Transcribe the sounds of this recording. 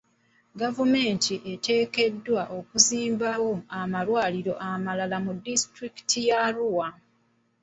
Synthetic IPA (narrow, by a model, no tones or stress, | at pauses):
ɡavume̞ːntʰiʔe̞te̞ːke̞dːwaʔo̞kuziːmbawo̞amalwaːliɾo̞ʔamalalamudːistɾiki̥tʰijaluwa